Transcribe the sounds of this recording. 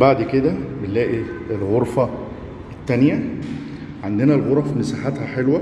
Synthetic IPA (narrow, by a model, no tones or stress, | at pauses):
baʕd̪ked̪æbenlæːʔielɣoɾˤfɑ | et̪ːænjæ | ʕand̪enælɣoɾˤɑfimesaħat̪hæħelwæ